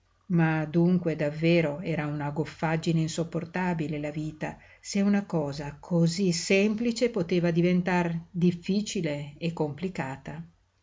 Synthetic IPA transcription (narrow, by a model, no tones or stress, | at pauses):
mad̪uŋkwed̪avːeːɾoɛːɾaunaɡofːad͡ʒːineinsopːort̪abilelaviːt̪a | seunakɔːzakʰozisemplit͡ʃepot̪eːvad̪ivent̪ard̪ifːiːt͡ʃileːkːomplikaːt̪a